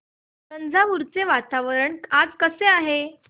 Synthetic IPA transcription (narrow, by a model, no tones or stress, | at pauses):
tənd͡zʱamuɾt͡seʋat̪aʋəɾəɳad͡zkəseaɦe